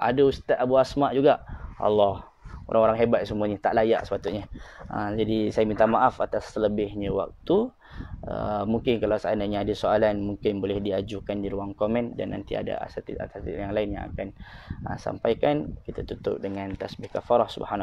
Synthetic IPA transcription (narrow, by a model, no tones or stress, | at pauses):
ʔa̰daust̪at̪abuasmaʔd͡ʒuɡaʔʔa̰lːɔh | o̰ɾʔaŋoɾaŋɦebat̪̚səmuaɲət̪aʔlaja̰ʔsə̥pat̪ʊʔɲəəd͡ʒadisajamint̪amaʔafat̪asːələbɪhɲawa̰k̚t̪u | ə̰muŋkɪnkalawsaanaɲəːdəsoalanmuŋkɪnbolɛhdiad͡ʒukandiɾuaŋkomɛ̃nda̰nːa̰nt̪ḭa̰da̰a̰sat̪ḭa̰t̪at̪ḭjaŋlaɪnja̰ŋa̰kanə̰sa̰mpajkankit̪at̪ut̪ʊ̰p̚dəŋãnt̪asbɪhkafaɾɔhsubhan